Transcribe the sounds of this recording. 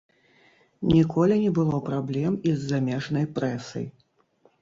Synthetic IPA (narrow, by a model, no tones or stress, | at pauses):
nʲikʰɔlʲinʲɛbɨlˠɔpɾablʲɛmizːamʲɛʐnɐjpɾɛsɐ̰j